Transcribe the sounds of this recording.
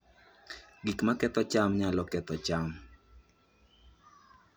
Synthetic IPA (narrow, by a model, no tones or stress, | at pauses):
ɡikmakɛt̪ɔt͡ʃamɲalɔkɛt̪ɔt͡ʃam